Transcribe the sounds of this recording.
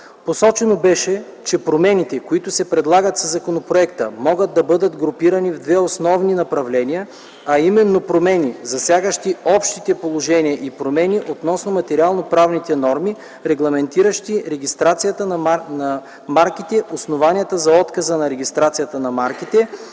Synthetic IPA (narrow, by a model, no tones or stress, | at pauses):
posɔt͡ʃɛnobɛʃɛ | t͡ʃɛpɾomɛnit̪ɛkoit̪ʊsɛpɾɛd̪lˠaɡət̪sɐzːɐkonopɾoɛkt̪əmɔɡəd̪̚d̪ːɐbɤd̪ət̪ɡɾopiɾɐnivd̪vɛosnɔvninɐpɾɐvlɛnijə | ɐimɛnːopɾomɛnʲizɐsʲjaɡəʃt̪iɔpʃt̪it̪ɛpolˠoʒɛniəʔipɾomɛniʔot̪nɔsnomɐt̪ɛɾialˠnopɾavnit̪ɛnɔɾmi | ɾɛɡlˠɐmɛnt̪iɾəʃt̪iɾɛɡʲist̪ɾat̪sijət̪ənnɐ | maɾkit̪ɛʔosnovanʲiət̪əzɐɔt̪kɐzənɐɾɛɡʲist̪ɾat̪sijət̪ənɐmaɾkit̪ɛ